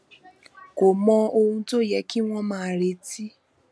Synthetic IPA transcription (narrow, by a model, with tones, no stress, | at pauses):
ko˨mɔ̃˧o˧hũ˧to˦˨jɛ˧˦ki˦w̃ɔ̃˦mãː˦˧˨ɾe˧˦ti˦